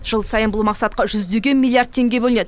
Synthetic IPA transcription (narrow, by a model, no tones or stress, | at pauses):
ʒ̥əlˠsɑjənbʊlˠmɑqsɑt̪̚qɑʒʏzd̪e̞ɡʲe̞nmilˠijard̪̚t̪ʰe̞ŋɡʲe̞bɵlɪned̪ɪ